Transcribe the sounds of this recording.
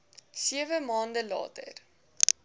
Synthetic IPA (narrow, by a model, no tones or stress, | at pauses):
siəvəmɑːndəlɑ̰ːtə̰r